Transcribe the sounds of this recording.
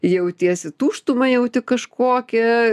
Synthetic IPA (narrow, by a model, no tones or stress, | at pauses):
jɛʊt̪ʲiɛsʲɪt̪uːʃt̪ʊmɐɪjɛʊt̪ʲɪkɐʃkʰoːkʲɛ